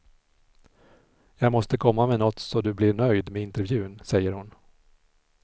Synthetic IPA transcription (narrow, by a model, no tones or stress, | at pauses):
jɑːɡmɔst̪əkʰɔmːamenɔt̪sɔd̪ɵblɪɳœjd̪meɪnt̪ɛɾvjʉ̟ːnsɛjːəɾhʊn